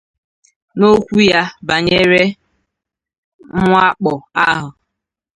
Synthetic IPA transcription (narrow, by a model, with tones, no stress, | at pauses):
no˦kʷu˦ja˦ba˨ɲe˦ɾe˦ | m̩˦ŋʷ˦a˦k͡pɔ˨a˦ɦʊ˨